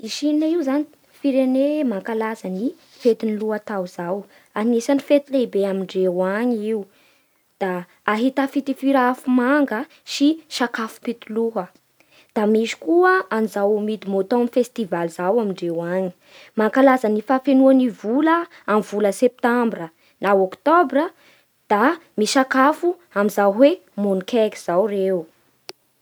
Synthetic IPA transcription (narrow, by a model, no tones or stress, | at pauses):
iʃinaiwzani̥ | fiɾenemaŋkalazani | fet̪iniluat̪awz̥aw | anesanifet̪ilebeamiɳɖ͡ʐewaɲiu | d̪̥aː | ɦit̪afit̪ifiɾaafumaŋɡə | ʃiʃakafu̥pit̪uluɦə | d̪̥amiʃi̥kuəanizawmid̪imot̪omifest̪ivalizawamiɳɖ͡ʐewaɲi̥ | maŋkalazənifafenuanivulə | amv̥uləsep̚t̪ambrə | nawokt̪obrə | d̪̥amiʃakafu | amizawɦwemonikʰɛki̥z̥awrew